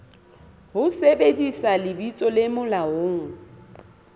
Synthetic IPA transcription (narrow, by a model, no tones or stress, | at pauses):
hʊsebedisalɪbit͡sʼɔlɪmʊlaoːŋ̩